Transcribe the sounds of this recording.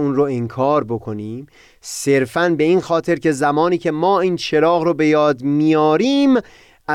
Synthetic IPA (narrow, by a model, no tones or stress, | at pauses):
unɾoeŋkʰɒːɾbo̞kʰo̞niːm | se̞ɾfænbe̞iːnxɒːt̪ʰe̞ɾke̞zæmɒːniːcʰe̞mɒːiːnt͡ʃʰe̞ɾɒːɣɾobe̞jɒːd̪mijɒːɾiːm | ʔæ